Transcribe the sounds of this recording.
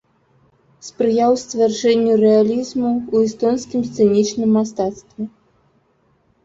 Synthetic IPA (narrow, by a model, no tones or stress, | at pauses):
spɾɨjawst̪vʲarʐɛnʲːurɛalʲizmuːist̪ɔnskʲimst̪sɛnʲit͡ʂnɨmːast̪at̪st̪vʲɛ